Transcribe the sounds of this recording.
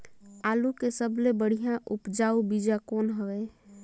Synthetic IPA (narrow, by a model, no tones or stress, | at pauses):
alukesəblebəɽ̤ijãʔupd͡ʒaubid͡ʒakonɦəɛ